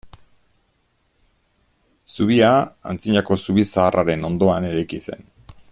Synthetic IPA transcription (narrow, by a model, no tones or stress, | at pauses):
suβiaa̰nt͡siɲako̞suβisaːrʔaɾe̞no̞nd̪o̞ane̞ɾajkise̞̰n